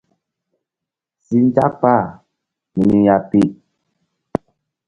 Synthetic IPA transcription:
si˦n˦d͡ʒa˦pa˦˨ | mi˨ni˦ja˨pi˦˨ʔ

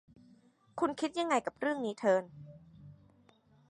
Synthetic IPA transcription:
kʰu˧nkʰi˦˥t̪̚ja˧ŋːa˧jka˨˩p̚ɾɯ˥˩əŋniː˦˥t̪ʰɤː˧n

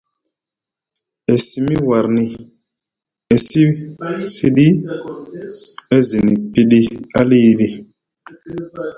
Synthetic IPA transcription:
e˨si˨mi˦wa˨ɾni˨ | e˨si˦si˦ɗi˦ | e˦zi˨ni˨pi˦ɗi˦a˦li˦ɾi˨

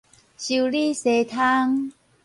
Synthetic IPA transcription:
ɕu˨˩li˥˧se˨˧˩t̪ʰa˦ŋ

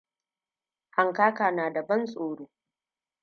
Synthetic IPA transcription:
ha˨ŋkaː˦kaː˨naː˨da˨bɐ˦nsʼoː˨ɽoː˦

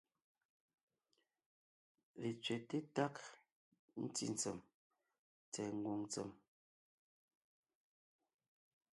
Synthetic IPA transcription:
le˨t͡sɥɛ˨te˦ta˦k | n̩˦tḭ˦˨n̩˨t͡sə˨m | t͡sɛ˨ŋ̩˦˨ɡwo˨ŋt͡sə̰˨m

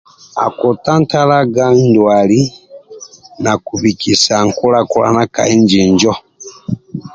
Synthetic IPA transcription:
a̰˨ku˨ta˦n˦ta˦la˦ɡa˦n˦dwa˨li˦ | na˨ku˨bi˨kʰi˨sa˨ŋ̩˨ku˦la˦ku˦la̰˦na˦ka̰˨i˦nd͡ʒi˨nd͡ʒɔ˦

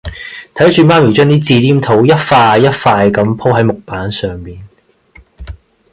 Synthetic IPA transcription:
t̪ʰɐ˨˥jt͡ʃyː˨˧maː˥miː˨˩t͡ʃœː˥ŋniː˥t͡siː˧liː˥mt̪ʰo˨˥wjɐ˥t̚faː˧jːɐ˥t̚faː˧jkɐ˨˥mpʰo˥wɦɐ˨˥jmʊ˨k̚paː˨˥nsœː˨ŋmiː˨˩n

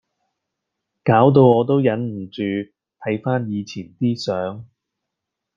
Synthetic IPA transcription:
kaː˨˥wt̪̬o˧wɔː˨˧t̪̬o˥wjɐ˨˥nm̩˨˩t͡ʃyː˨ | t̪ʰɐ˨˥jfaː˥njiː˨˧t͡sʰiː˨˩nt̪iː˥sœː˨˥ŋ

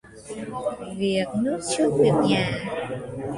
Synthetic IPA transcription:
vi˨˩ək̚nɨ˦˥k̚t͡ɕu˦˥t̚ki˨˩ə˩ɲaː˨˩

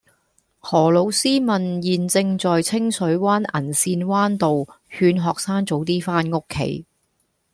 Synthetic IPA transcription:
hɔː˨˩lo˨˧wsiː˥mɐ˨njiː˨nt͡sɪ˧ŋt͡sɔː˨jt͡sʰɪ˥ŋsɵ˨˥ɥwaː˥nʔɐ̰˨˩nsiː˧nwaː˥nt̪o˨w | hyː˧nɦɔː˨k̚saː˥ŋt͡so˨˥wt̪iː˥faː˥nŋʊ˥kʰːḛ˨˥j

